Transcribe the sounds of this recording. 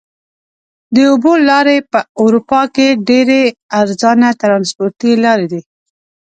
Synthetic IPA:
d̪əobolɑɾepəʊɾupɑkeɖeɾeaɾzɑnat̪ɾɑnspoɾt̪ilɑɾed̪i

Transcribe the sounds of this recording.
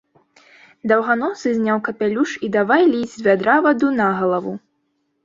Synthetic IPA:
d̪ɐwɣanɔsɨzʲnʲawkɐpʲalʲuʂid̪avajlʲizʲzʲvʲad̪ɾavɐd̪unaɣɐlˠɐvu

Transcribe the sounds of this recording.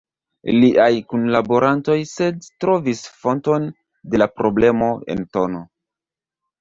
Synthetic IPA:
liʔajkunlabo̞ɾanto̞jse̞dtɾo̞visfo̞nto̞n | de̞lapɾo̞ble̞mo̞e̞̰nto̞no̞

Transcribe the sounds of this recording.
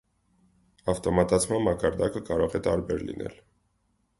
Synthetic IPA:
ɑft̪ɔmɑt̪ɑt͡sʰmɑnmɑkɑɾd̪ɑkəkɑɾɔʁɛt̪ɑɾbɛɾlḭnʔɛ̰l

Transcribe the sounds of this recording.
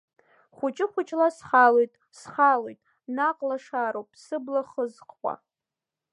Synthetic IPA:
χʷʊt͡ʃʼɪχʷʊt͡ʃʼlasχalojtʼ | sχalojtʼ | naqʼlaʂaɾowpʼsɨblaχəzqʰʼʷa̰

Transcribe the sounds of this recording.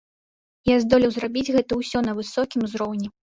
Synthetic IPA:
jazd̪ɔlʲiwzɾabʲid͡zʲɣɛt̪ɐuwsʲɔnɐvɨsɔkʲimzɾɔwnʲɛ

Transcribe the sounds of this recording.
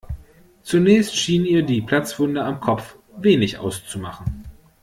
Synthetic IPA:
t͡sunɛːçstʃiːnniːɐdiːpʰl̥at͡sv̥ʊndɐamkʰɔp͡f | veːnɪçʔa̰ʊst͡sumaχn̩

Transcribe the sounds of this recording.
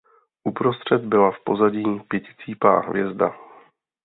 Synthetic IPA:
ʔupɾo̞st̪r̝̥ɛd̪bɪlafpo̞zaɟiːpjɛcɪ̥t͡siːpa̰ːɦvjɛzd̪a̰

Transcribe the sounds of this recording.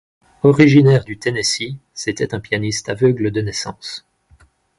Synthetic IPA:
ɔʁiʒinɛʁd̪yt̪enesiset̪ɛt̪ɛ̃pjanist̪avœɡləd̪ənɛsɑ̰̃s

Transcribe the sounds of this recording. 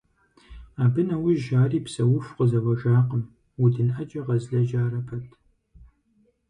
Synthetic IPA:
aːbɨnɐwʊʒaːriːpsɐwʊfqəzɐwɐʒaːqəm | wudɨnʔɐd͡ʒʼɐʁɐzɮɐʒaːɾɐpʰɐtʰ

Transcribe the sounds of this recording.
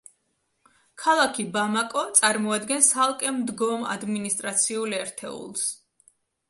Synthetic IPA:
kʰalˠakʰibamakʼɔt̪sʼaɾmɔad̪ɡɛnsalˠkʼɛmd̪ɡɔma̰d̪minist̪ʼɾat̪sʰiulɛɾt̪ʰɛ̰ṵlˠs

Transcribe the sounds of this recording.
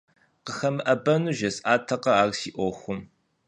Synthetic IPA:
qəxɐmɨʔɐbɐnuːʒɐsaːtʰɐqɐaːrsiːʔʷɔxʷʊm

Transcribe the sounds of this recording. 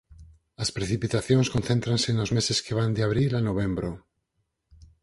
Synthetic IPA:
aspɾeθipit̪aθjõnskonθent̪ɾansenozmeseskeβ̞and̪eaβ̞ɾilanoβ̞ẽmbɾo

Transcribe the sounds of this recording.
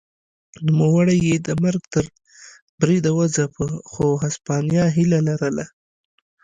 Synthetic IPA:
numawəɽajed̪əmaɾɡt̪əɾ | bɾid̪awəzapəxoɦaspɑnjɑɦilalaɾəla

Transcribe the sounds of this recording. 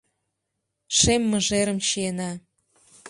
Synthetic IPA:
ʃemːɤ̆ʒeɾə̆mɕienɑ

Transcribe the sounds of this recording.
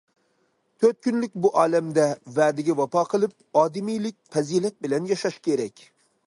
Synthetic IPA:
t̪ʰøɾt̪̚kʲynlɪk̚ʲbuʔɑːlɛmd̪ɛvæːd̪ɪɡʲɛwɑpʰɑːqʰəlˠɪp̚ | ɑːd̪ɪmijlɪk̚ʲfɛzilɛt̪̚bɪlɛnjɑʃɑʃkʲʰeɾɛkʲ

